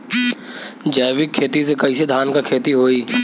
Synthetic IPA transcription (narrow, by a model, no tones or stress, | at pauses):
d͡ʒəːʋɪkʰːeːt̪isekɐis̬ed̪ʱaːnkakʰeːt̪iɦoːiː